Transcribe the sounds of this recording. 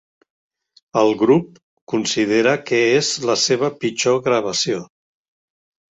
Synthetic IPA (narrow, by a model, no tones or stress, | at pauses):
əlˠɣɾup̚ | kunsið̞eɾəkɛezləseβ̞əpit͡ʃoɣɾəβ̞əsio